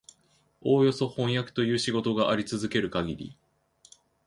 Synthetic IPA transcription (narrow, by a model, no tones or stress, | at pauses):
o̞ːjo̞so̞hõ̞ɰ̃jakɯ̥t̪o̞jɯ̟ːɕiɡo̞t̪o̞ɡaʔaɾʲit͡sɨzɨke̞ɾɯ̟kaɡʲiɾʲḭ